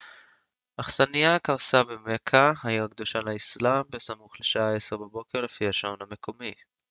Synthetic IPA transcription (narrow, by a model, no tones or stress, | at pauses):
ʔaχsanijakaʁsabemekʰahaiʁakd̪oʃalaislambesamuχleʃaae̞seʁbabo̞keʁle̞fihaʃaoname̞kʰo̞mi